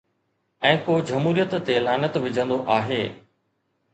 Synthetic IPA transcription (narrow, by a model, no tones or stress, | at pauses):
ɛ̃ːkoːd͡ʑɐmɦuːɾijət̪ːelaːnət̪ʋɪd͡ʑʱə̃nd̪oʔaːɦeː